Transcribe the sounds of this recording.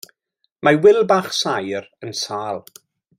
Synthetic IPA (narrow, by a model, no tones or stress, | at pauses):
mawɪlˠbaχsajrənsaːlˠ